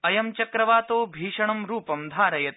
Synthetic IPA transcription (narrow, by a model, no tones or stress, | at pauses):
ɐjɐmt͡ʃɐkɾɐʋaːt̪oːbʱiːʃɐɳɐmɾuːpɐmd̪ʱaːɾɐjɐt̪̚